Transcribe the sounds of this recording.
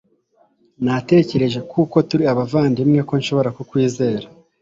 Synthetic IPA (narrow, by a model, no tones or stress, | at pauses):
nate̞ːce̞ɾe̞ʒe̞kʰuko̞tuɾiaβavaːndimŋe̞ko̞nʃo̞βo̞ɾakukwiːze̞ːɾa